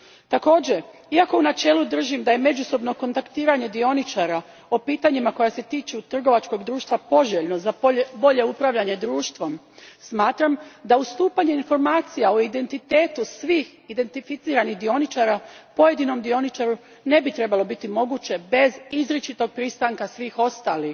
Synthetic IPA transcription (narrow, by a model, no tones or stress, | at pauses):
t̪ako̞ːd͡ʑe̞ | iako̞unat͡ʃe̞ːlud̪r̩ʒimd̪aje̞me̞d͡ʒuso̞bno̞ko̞nt̪akt̪iːɾaɲe̞d̪io̞nit͡ʃaɾa | opiːt̪aɲimako̞jase̞t̪iːt͡ʃut̪r̩ɡo̞ʋat͡ʃko̞ɡd̪ɾuːʃt̪ʋapo̞ʒeʎno̞zabo̞ʎe̞upɾaʋʎaɲe̞d̪ɾuːʃt̪ʋo̞m | smaːt̪ɾamd̪aust̪uːpaɲe̞info̞ɾmaːt̪sijaoid̪e̞nt̪it̪e̞ːt̪usʋiːx | id̪e̞nt̪ifit̪siːɾanixd̪io̞nit͡ʃaːɾapo̞je̞d̪ino̞md̪io̞nit͡ʃaɾu | ne̞bit̪ɾe̞balo̞bit̪imo̞ɡut͡ɕe̞be̞zizɾet͡ʃit̪o̞ɡ̚pɾist̪aŋkasʋiːxo̞st̪aːlix